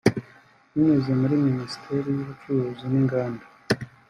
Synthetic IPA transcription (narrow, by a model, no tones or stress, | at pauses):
ninezemuɾiminisi̥tʰe̞ɾijuβut͡ʃuhuzuniŋɡaːnda